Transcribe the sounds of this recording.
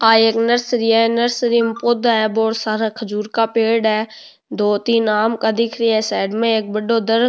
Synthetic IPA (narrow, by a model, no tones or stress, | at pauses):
aːeːknəɾsɾiːɛnəɾsɾimpod̪ɛːboːɽsaːɾakʰəd͡ʒuːɾkaːpeːɖɛː | d̪oːt̪iːnaːmkaːd̪ɪkʰɾiːɛːsɛːɖmẽeːk̚bəɖoːd̪əɾ